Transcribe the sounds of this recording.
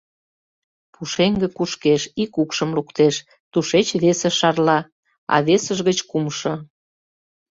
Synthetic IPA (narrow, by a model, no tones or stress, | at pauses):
pʰuʃeŋɡĕkuʃkeʃikukʃəmlukt̪eʃ | t̪uʃet͡ɕβeseʃɑrlɑ | ɑ̰βesəʒɣət͡ɕkumʃo